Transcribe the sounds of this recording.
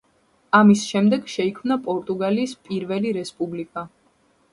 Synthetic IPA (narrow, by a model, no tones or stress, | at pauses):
amisʃɛmd̪ɛɡʃɛikʰmnapʼɔɾt̪ʼuɡaliːspʼiɾvɛliɾɛspʼublikʼa